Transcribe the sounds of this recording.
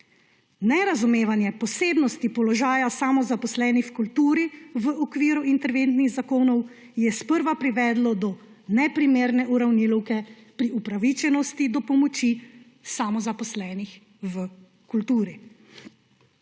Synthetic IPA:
nɛɾazumeːʋanjɛpɔseːbnɔst̪ipɔlɔʒaːjasamɔzapɔslɛːnixkult̪uːɾiʋəʔɔkʋiːɾuint̪ɛɾʋent̪niɣzakoːnɔw | jɛspəɾʋapɾiʋɛːd̪lɔd̪ɔ | nɛpɾimeːɾnɛʔuɾawnilɔwkɛ | pɾiupɾaʋit͡ʃɛnɔst̪id̪ɔpɔmɔt͡ʃi | samɔzapɔslɛːnix | və | kult̪uːɾi

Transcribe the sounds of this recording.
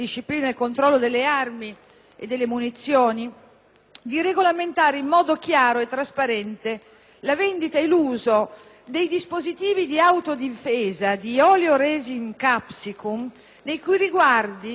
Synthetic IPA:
d̪iʃːipliːnaelkont̪ɾɔlːod̪elːearmi | ḛd̪ːelːemunit̪sːjoːni | d̪ireɡolament̪aːɾeimːɔːd̪okjaːɾoet̪ːɾaspaɾɛnt̪e | lavɛnd̪it̪ailuːzo | d̪ejd̪ispozit̪iːvid̪iawt̪od̪ifeːzad̪iɔːljoɾɛziŋkapsikum | nejkujriɡward̪i

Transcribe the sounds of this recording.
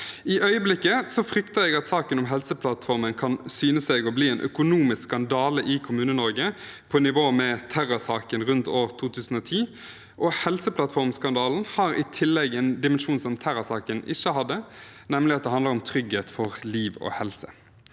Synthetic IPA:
ɪʔœʏəblɪkːəsɔfɾʏkt̪əɛɡɑt̪sɑːkənɔmɦɛlsəpʰlɑt̪fɔʁmənkʰɑnsyːnəsɛɡɔbliːɛnʔœ̰kʊnuːmɪsskɑnd̪ɑːləʔɪkʰʊmʉːnənɔɾɡəpʰɔnɪʋoːmɛt̪ʰæʁʊsɑːkənʁʉnt̪oːʁt̪ʰuːt̪ʰʉːsən̩ɔːt̪ʰiː | ʔɔhɛlsəpʰlɑt̪fɔʁmskɑnd̪ɑːln̩hɑɾɪ̰t̪ʰɪlːɛɡɛnd̪ɪmənʂuːnsɔmt̪ʰæɾʊsɑːkənɪçːəɦɑd̪ːənɛmlɪɑt̪̚d̪ɛhɑnd̪ləɾɔmt̪ʰʁʏɡheːt̪fɔʁliːʋɔ̰hɛlsə̰

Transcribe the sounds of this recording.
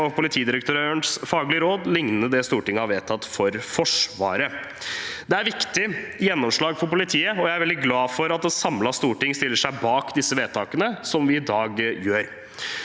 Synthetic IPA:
ɔpʊlɪt̪ʰiːd̪ɪɾəkt̪ʰøɾøəɳsfɑːɡlɪəɾoːd̪lɪŋnənəd̪ɛst̪uːʈɪŋːəhɑɾʋeːt̪ʰɑt̪ːfɔɾfɔʂʋɑ̰ːɾə | d̪ɛæɾʋɪkt̪ɪjɛnːɔmʂɭɑːɡfɔɾpʊlɪt̪ʰiːəɔjæɪæɾʋɛld̪ɪɡlɑːfɔɾɑt̪̚d̪ɛsɑmlɑst̪uːʈɪŋːst̪ɪlːəʂæɪbɑːkd̪ɪsːəʋeːt̪ʰɑːkənəsɔmʋɪɪd̪ɑːɡjøːɾ

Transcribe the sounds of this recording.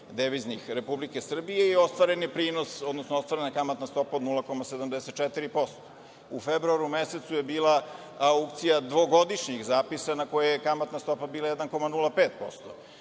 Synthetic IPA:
d̪eʋiznixɾe̞publike̞sr̩bijeio̞st̪ʋaɾenipɾiːno̞so̞d̪nosnost̪ʋaːɾenakamat̪nast̪o̞paod̪nulako̞mased̪amd̪eset̪̚t͡ʃɛt̪iɾipo̞st̪o̥ | ufebɾuaɾumese̞t̪suje̞biːla | ukt̪sijad̪ʋo̞ɡo̞d̪iʃɲixzaːpisanako̞jejekamat̪nast̪o̞pabiːlˠajed̪anko̞manulˠapeːt̪̚po̞̰st̪o̰

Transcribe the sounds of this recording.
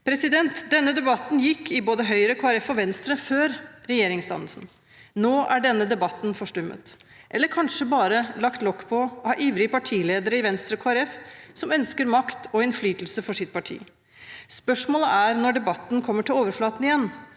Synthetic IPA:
pʰɾɛsɪd̪ɛnt̪d̪ɛnːəd̪ɛbɑt̪ːnjɪkʰːɪboːd̪əɦœʏɾəkʰoːæɾɛfɔʋɛnst̪ɾəføːɾɾɛjeːɾɪŋst̪ɑ̰nəlsn | noːʔæɖɛnːəd̪ɛbɑt̪ːnfɔʂʈʉmːə̰t̪ | ʔɛlːəɾkʰɑnʂəbɑːɾəlɑkt̪lɔkːpʰɔɔhɑːʔiːʋɾɪəpɑʈʰiːleːd̪əɾɪʋɛnst̪ɾəkʰoːæɾɛfsɔmœnskəɾmɑkt̪ʰɔɪnflyːt̪əlsəfɔʂɪt̪̚pʰɑʈʰḭː | spœʂmoːləʔæɾnɔɖɛbɑt̪ːnkʰɔmːəʈʰɪloːʋəɾflɑːt̪ənɪjɛnː

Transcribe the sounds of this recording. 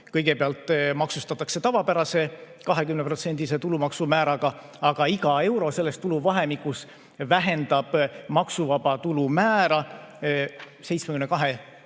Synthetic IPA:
kɤjɡ̥e̞peɑlt̪ːˑmɑksust̪ɑt̪ːˑɑkse̞t̪ɑvɑpæɾɑse̞ | kɑɦe̞kymnepro̞t̪se̞nʲd̪̥iset̪ulumɑksumæːɾɑɡ̥ɑ | ɑɡ̥ɑiɡ̥ɑe̞wɾo̞se̞lːe̞st̪ːuluvɑɦe̞mikːˑus | væɦe̞nd̪ɑb̥mɑksuvɑb̥ɑt̪ulumæːɾɑ | se̞jt̪smekymnekɑɦe

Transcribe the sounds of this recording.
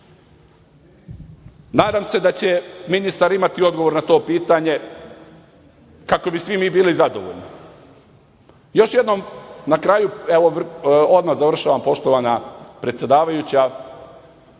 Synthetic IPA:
naːd̪aːmse̞d̪at͡ɕe̞minist̪aɾimat̪io̞d̪ɡoʋo̞ɾnat̪o̞ːpiːt̪aɲe̞ | kako̞bisʋimiːbiːlizad̪o̰ʋo̰ʎni | jo̞ʃje̞d̪nomnakɾaːjueʋood̪mazaʋr̩ʃaːʋampo̞ʃt̪oʋanapɾet̪sjed̪aːʋajut͡ɕa

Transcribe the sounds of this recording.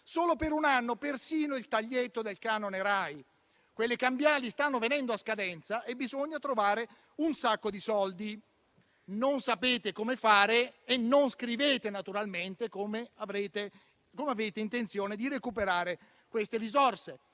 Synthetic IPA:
soːlopeɾunanːopersiːnoilt̪aʎːet̪ːod̪elkaːnoneɾaj | kwelːekambjaːlist̪anːovenɛnd̪oaskad̪ɛnt̪saʔebizoɲːat̪ɾovaːɾe | unsakːod̪isɔld̪i | nonsapeːt̪ekomefaːɾeːnːonskɾiveːt̪enat̪uɾalment̪ekomeavɾeːt̪e | komeaveːt̪eint̪ent̪sjoːned̪irekupeɾaːɾe | kwest̪eɾizɔrse

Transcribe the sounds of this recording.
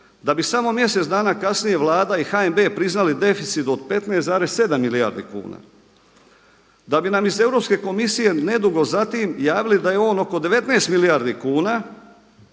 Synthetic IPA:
d̪abisamo̞mje̞set̪d̪aːnakasnije̞ʋlˠaːd̪aixaembe̞ːpɾiznalid̪e̞fit̪sit̪od̪̚pe̞t̪neszaːɾe̞sse̞d̪amːilija̰ɾd̪ḭkṵːna̰ | d̪abinamize̞vɾo̞pske̞ko̞misije̞ne̞d̪uɡo̞zat̪iːmjaːʋilid̪ajeo̞ːno̞ko̞d̪e̞ʋe̞t̪neːst̪milijaɾd̪ikuːnaː

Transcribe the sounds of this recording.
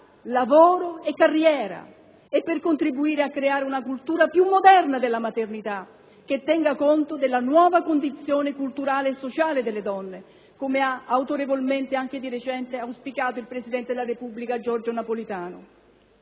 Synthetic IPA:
lavoːɾoɛkːarːjɛːɾa̰ | ɛpːɪrkont̪ɾibuiːɾeakːɾeaːɾeunakult̪uːɾapjumːod̪ɛrnad̪elːamat̪ernit̪a | k̟et̪ːɛŋɡakont̪od̪elːanwɔːvakond̪it̪sːjoːnekult̪uɾaːleːsːot͡ʃaːled̪elːed̪ɔnːe | komeaawt̪oɾevolment̪eaŋk̟ɪd̪iɾet͡ʃɛnt̪eawspikaːt̪oilpɾesid̪ɛnt̪ed̪elaɾepubːlikad͡ʒɔrd͡ʒonapolit̪aːnʊ̰

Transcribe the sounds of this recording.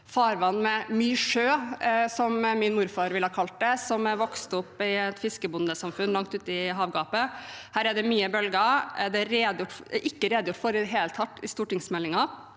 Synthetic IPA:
fɑːɾʋɑnːmɛmyːʂøːsɔmmɪnmuːɾfɑːɾʋɪlhɑːkʰɑlt̪̚d̪ɛsɔmʋɔkst̪ʊpːɪɛt̪fɪskəbʊnd̪əsɑmfʉnlɑŋkt̪ʉːt̪ɪɦɑːʋɡɑːpəhæːɾæɖ̪ɛmyːəbœlɡəɛd̪ɛɾeːd̪əjʊʈʔɪkːəɾeːd̪əjʊʈfɔɾɪdɛɦeːlt̪ʰɑt̪ːɪst̪uːʈɪŋsmɛlːɪŋɑ

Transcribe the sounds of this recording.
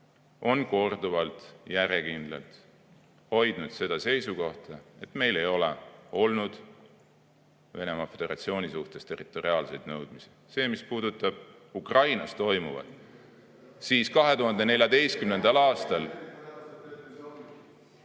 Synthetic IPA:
o̞nko̞rd̪uvɑlt̪ˑjæɾjekind̪̥lɑ̰lt̪ | ho̞jd̪nud̪̥se̞d̪̥ɑse̞jsuko̞ht̪ɑe̞t̪ˑme̞jle̞jo̞leo̞lnud̪̥ | ve̞̰ne̞mɑfe̞d̪e̞ɾɑ̰t̪sio̞ːnʲisuht̪e̞st̪e̞rit̪ːˑo̞ɾiɑːlse̞jd̪̥nɤwd̪̥misi̥ | se̞ːmispuːd̪̥ut̪ːˑɑb̥ | ukrɑjnɑst̪o̞jmuvɑ̰d̪̥ | siːskɑɦe̞t̪uɦɑnd̪e̞ne̞lʲjɑd̪e̞jst̪kymne̞nd̪̥ɑlɑːst̪ɑl

